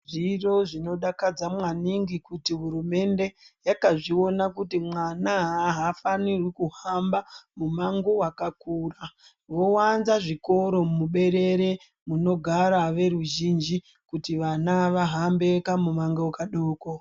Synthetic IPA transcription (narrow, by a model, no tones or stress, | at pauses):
ʐiro̞ʐino̞ɗakad͡zamwaniŋɡikutiɦuɾume̞nde̞jakaʐio̞nakutimwanaɦɦafanirwikuɦambamumaŋɡowakakuːra | ʋo̞wanzaʐiko̞ɾo̞muɓe̞ɾe̞ɾe̞ | muno̞ɡʱaɾaʋe̞ɾuʒind͡ʒi | kutiʋanaʋaɦambe̞kamumaŋɡowakaɗoːko